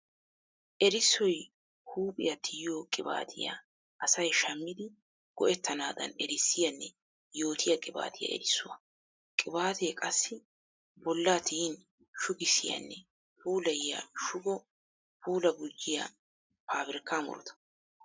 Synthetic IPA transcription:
ʔɛɾɪsːɔj | huːpʼɪjɐt̪ʰɪjjoːkʼɪba̰ːt̪ʰɪja̰ | ʔɐsɐjʃɐmːɪd̪ɪ | ɡ̥ɔ̰ʔɛt̪ʰːɐnaːd̪ɐ̰nɛɾɪsːɪjɐnːɛ | jo̞ːt̪ʰɪjɐkʼɪba̰ːt̪ʰɪjɐ̰ɛ̰ɾɪsːʊwɐ | kʼɪbaːt̪ʰekʼɐsːɪ | bɔlːaːt̪ʰiːn | ʃʊɡɪsːɪjɐ̰nːɛ | puːlɐjɪjɐ̰ʃʊɡɔ | puːlɐɡʊd͡ʒːɪjɐ̰ | paːbɪɾɪkːaːmʊ̰ɾɔt̪ɐ̥

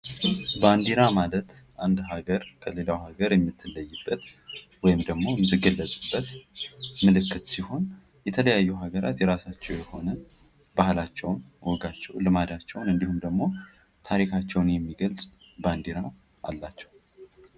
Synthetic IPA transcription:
band̪iɾamalət̪ʔand̪ɦaɡəɾkʰəle̞lawhaɡəɾjɛmːɨt̪ʰːɨlːəjːɨbːət̪ | wɔjɪmd̪əɡmo̞jɛmːɨt̪ʰːɨɡəlːəsʼɨbːət̪ | mɨlɨkːɨt̪siho̞n | jɛt̪ʰələjajːuɦaɡəɾa̰t̪jɛɾasat͡ʃːɛwjɛho̞nə | bahlat͡ʃːɛwnwʔɔɡat͡ʃːɛwlɨmad̪at͡ʃːɛwnɨnd̪ihumd̪əɡmo̞ | t̪ʰaɾikʰat͡ʃːɛwnjɛmːiɡəlsʼ | band̪iɾaw | ʔa̰lːat͡ʃːɛ̥w

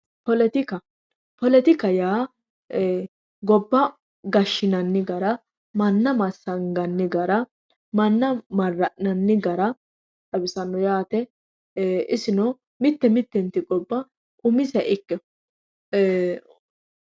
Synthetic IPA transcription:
pɔlɛt̪ɪkɐ | pɔlɛt̪ɪkɐjaː | ɡɔbːɐ | ɡɐʃːɪnɐnːɪɡɐɾɐ | mɐnːɐmɐsːɐŋɡɐnːɪɡɐɾɐ | mɐnːɐmɐrːɐʔnɐnːɪɡɐɾɐ | tɐbɪsɐnːɔjaːt̪ɛ | ʔɪsɪnɔ | mɪt̪ːɛmɪt̪ːɛnt̪ːɪɡɔbːɐ | kʼʊmɪsɛʔɪkːɛ

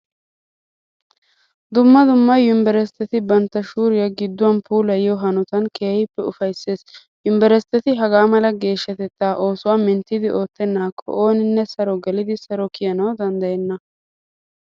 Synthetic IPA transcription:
d̪ʊmːɐd̪ʊmːɐjːʊmbɛɾɛst̪ːɛt̪ɪbɐnt̪ːɐʃuːɾɪjɐɡɪd̪ːʊwɐnpʰuːlɐjɪjɔɦɐnʊt̪ɐnkʰeːhɪpːɛʊfɐjsːe̞ːs | jʊmbɛɾɛst̪ːɛt̪ɪɦɐɡaːmɐlɐɡe̞ːʃːɐt̪ɛt̪ːaːʔo̞ːsʊwaːmɪnt̪ːɪd̪ɪʔo̞ːt̪ːɛnːaːkʰːɔ̰ʔoːnɪnːɛsɐɾɔɡɛlɪd̪ɪsɐɾɔkɪjɐnɐwd̪ɐnd̪ɐjɛnːɐ

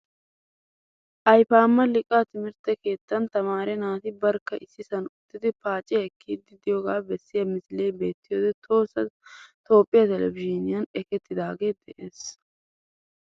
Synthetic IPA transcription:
ʔɐjfaːmːɐlɪkʼːat̪ɪmɪɾt̪ɛke̞ːt̪ːɐnt̪ɐmaːɾɛnaːt̪ɪbɐɾkːɐʔɪsːɪsɐnʊt̪ːɪd̪ɪpaːt͡ʃʼɪɛkʰːiːd̪ɪd̪ɪjoɡaːbɛsːɪjɐmɪsle̞ːbe̞ːt̪ːɪjoːd̪ɛt̪ʰo̞ːsːɐt̪o̞ːpʼːɪjɐt̪ɛlɛbɪd͡ʒinɪjɐnɛkɛt̪ːɪd̪aːɡe̞ːd̪ɛʔeːs

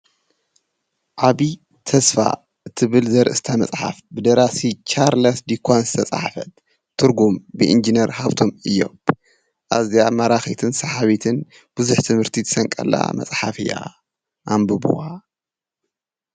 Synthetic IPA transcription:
ʔaβi | t̪ʰɐsfa̰ | ʔɨt̪ʰɨβɨlzɐɾɨ̰st̪ʰamɐ̰sʼħa̰fbɨd̪ɐɾasit͡ʃaɾlɐsd̪ikʰʷanzɨ̥t̪ʰɐt͡sʼa̰ħfɐ̰t̪̚ | t̪ʰːɨɾɡumbɨʔind͡ʒinɐɾhaβt̪ʰomɨjːo̰m | ʔazjamɐɾaxit̪ʰɨnsɐħaβit̪ʰɨn | b̥uzuħt̪ʰɨmhɨɾt̪ʰit̪ʰɨsɐŋkʼɐ̰lːa̰mɐ̰t͡sʼħafɨja̰ | ʔambɨbṵa

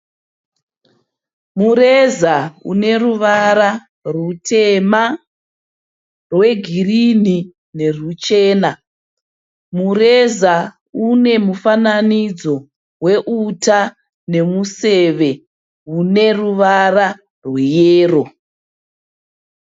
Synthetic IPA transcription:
muɾezaṵne̞ruʋaɾa | rutʰema | rwe̞ɡʱirini | ne̞rut͡ʃeːna | mureza | une̞mufananid͡zo̞ | we̞ʔuta | ne̞museʋe̞ | une̞ruʋara | rwejeːro

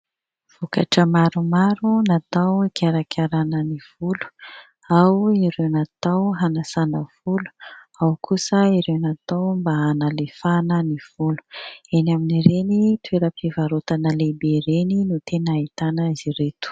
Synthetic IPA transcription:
v̥okaʈ͡ʂəmaɾumaɾunat̪awikʰaɾakʰʲaɾanəniv̥ulu̥ | awiɾewnat̪awɦanasanəv̥ulu̥ | awkʰusəiɾewnat̪awmbaanalefanəniv̥ulu̥enaminiɾenit̪ueɾəpivaɾot̪anəlebeɾeninut̪enaait̪anəiziret̪u̥

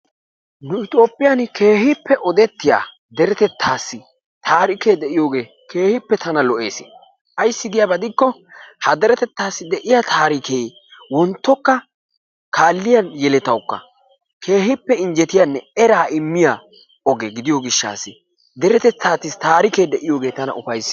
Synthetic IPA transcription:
nʊɪt̪ʼo̞ːpʼːɪjanke̞ːhɪpːɛʔɔd̪ɛt̪ːɪja̰ː | d̪ɛɾɛt̪ɛt̪ʰːaːsːɪ | t̪ʰaːɾɪkeːd̪ɛʔɪjo̞ːɡe̞ː | ke̞ːhɪpːɛt̪ʰɐnɐlɔʔe̞̰ːsɪ̥̰ | ʔɐjsːɪd̪ɪjabɐd̪ɪkːɔhɐd̪ɛɾɛt̪ɛt̪ːaːsːɪd̪ɛʔɪjat̪ʰaːɾɪkeːj | wɔnt̪ːɔkːɐ | kaːlːɪjɐnjɛlɛt̪ɐwkːɐ̰ | kʰe̞ːhɪpːɛɪnd͡ʒɛt̪ɪjanːɛɛɾaːɪmːɪja | ɔɡeɡɪd̪ɪjɔɡɪʃːa̰ːsːɪ | d̪ɛɾɛt̪ɛt̪ːaːt̪ːɪst̪aːɾɪkeːd̪ɛʔɪjo̞ːɡe̞ːt̪ɐnɐ̰ʔʊfɐjs

